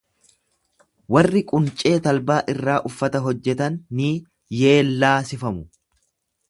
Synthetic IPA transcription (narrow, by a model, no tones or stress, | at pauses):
wɐrːɪkʼʊnt͡ʃʼe̞ːt̪ɐlbaːʔɪrːaːʔʊfːɐt̪ɐɦɔd͡ʒːɛt̪ɐnːiː | je̞ːlːaːsɪfɐmʊ